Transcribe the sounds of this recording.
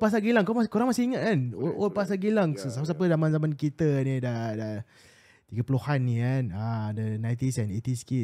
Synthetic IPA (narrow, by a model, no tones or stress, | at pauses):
pas̬aɡilaŋkamskuɾaŋmasiiŋat̪̚kanoʔolpasaɡilaŋsəsapəsapəzamãnzamãnkit̪ənidada | t̪iɡəpəluhanːikanadənajt̪isanet̪iski